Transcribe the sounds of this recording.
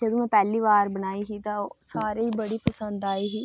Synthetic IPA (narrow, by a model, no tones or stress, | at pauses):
d͡ʒəd̪oːmɛ̃ːpɛːliːʋaːɾbənaːiːɦiːt̪ãosaːɾeiːbəɽiːpəsə̃nd̪aːiːɦiː